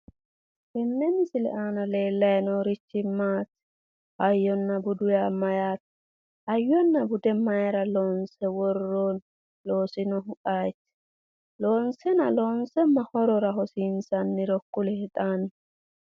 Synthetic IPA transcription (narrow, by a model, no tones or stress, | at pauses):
bɛnːɛnɪsɪlɛ̰ʔaːnɐle̞ːlːɐjnoːɾɪt͡ʃːɪmːaːt̪ː | ʔɐjːɔnːɐbʊd̪ʊjaːmɐjaːt̪ | ɐjːɔnːɐbʊd̪ɛmɐjɾɐloːnsɛwɔrːoːn | loːsɪnɔɦʊʔaːjt̪ː | loːnsɛnɐ̰lo̞ːnsɛmɐhɔɾɔɾɐɦɔsinsɐnːɪɾɔkːʊlɛhɛt̪ʼaːnɛ